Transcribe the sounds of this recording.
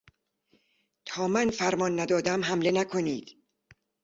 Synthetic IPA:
t̪ʰɒːmænfæɾmɒnːæd̪ɒːd̪æmɦæmle̞nækʰo̞niːd̪̥

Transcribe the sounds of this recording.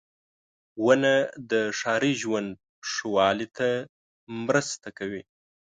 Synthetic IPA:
wanad̪əʂɑɾiʒwand̪̚ | ʂuwɑlit̪ʰa | mɾəst̪akawi

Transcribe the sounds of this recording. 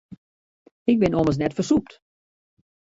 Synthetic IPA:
ɪk̚bɪnoməs̬nɛtfərsup̚t

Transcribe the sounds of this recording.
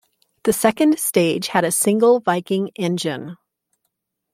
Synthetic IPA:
ðɨsɛkɨ̃nd̥steɪd̥ʒ̥ɨɾɨsɪ̃ŋɡl̩ˠvaɪkɪ̃ŋɛ̃nd͡ʒɨ̃n

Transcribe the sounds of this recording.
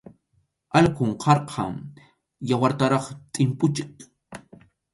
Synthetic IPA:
ʔalkʊɴqʰɑɾqʰɑ̰m | jawaɾt̪aɾɑχt̪ʼɪmpʊt͡ʃɪk

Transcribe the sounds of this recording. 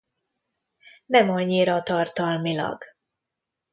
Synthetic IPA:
nɛmɒɲːiɾɒt̪ɒrt̪ɒlmilɒ̰ɡ

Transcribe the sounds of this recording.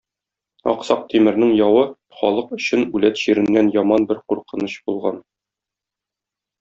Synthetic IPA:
ɒ̰qsɑq̚t̪ʰimɘ̆ɾnɘŋjɒwɤ | χɒ̰lˠɤqɵ̆ɕɘnʉlæt̪ʑiɾɘ̆nːænjɒmɑnbɘɾquɾqɤ̆nɤɕbulˠʁɑ̰n

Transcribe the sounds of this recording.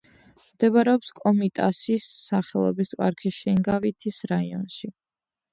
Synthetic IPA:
md̪̥ɛbaɾɛɔpskʼɔmit̪ʼasisːaχɛlˠɔ̰bispʼa̰ɾkʰiʃɛŋɡavit̪ʰisɾaiɔ̰nʃi

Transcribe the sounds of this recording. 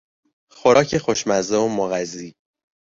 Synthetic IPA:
xoɾʔɒːcʰe̞xoʃmæzoomoɣæziː

